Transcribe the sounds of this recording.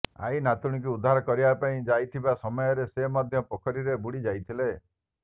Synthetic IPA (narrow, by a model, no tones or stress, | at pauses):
a̰inat̪uɽ̃ikuud̪ʱːaɾɔkɔɾibapaĩd͡ʒajt̪ʰibasɔmɔjɔɾesemad̪ʱjɔpɔkʰɔɾiɾebuɽid͡ʒajt̪ʰile